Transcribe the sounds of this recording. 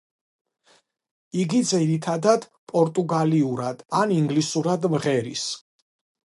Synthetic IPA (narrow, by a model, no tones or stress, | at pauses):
iɡid̪ziɾit̪ʰad̪ad̪̥ | pʼɔɾt̪ʼuɡaliuɾad̪̥aniŋɡlisuɾad̪mʁɛɾis